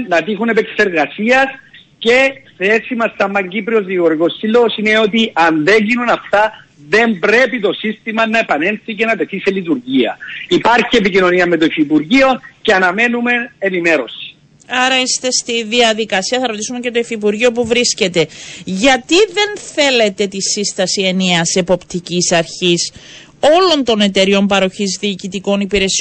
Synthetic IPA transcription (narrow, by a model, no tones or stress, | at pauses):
ɐt̪ixunepeksi̥seɾɣɐsiɐs | ce̞θesimɐst̪ɐmːɐɲɟipɾio̞zðioɾikosːilːosine̞o̞t̪̬iʔɐnðeɲɟinunɐft̪ɐ | ðe̞mbɾe̞pit̪o̞sist̪imɐnɐepɐne̞nθicenɐpe̞θiselit̪uɾʝiɐ̰ipɐɾçie̞picino̞niɐme̞t̪oifipuɾʝio̞ceɐnɐme̞nume̞enime̞ɾosi̥ | ɐɾɐist̪e̞st̪iðiɐðikɐsiɐθɐɾo̞t̪isumece̞t̪oifip̬uɾʝio̞p̬uvɾisce̞t̪e̞ʝɐt̪iðe̞nθe̞le̞t̪e̞t̪isist̪ɐsieniɐse̞po̞pt̪icisɐɾçis | o̞lo̞nt̪o̞ne̞t̪e̞ɾio̞mpɐɾo̞çizðiːcit̪iko̞nipiɾe̞sio